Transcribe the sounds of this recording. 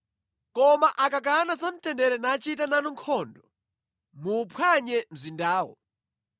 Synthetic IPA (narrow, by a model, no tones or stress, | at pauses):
kɔmaʔakak̬anazam̩tɛndɛɾɛnaːt͡ʃitananɔŋkʰɔndɔ | muːpʰwaɲɛm̩zindaːwɔ̰